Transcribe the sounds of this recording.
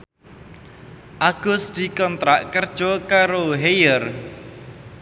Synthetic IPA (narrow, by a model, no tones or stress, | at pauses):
ʔaɡ̥ʊ̤sd̪̥i̤kɔnt̪ɾaʔkərd̥ʒ̥ɔkaɾoɦejər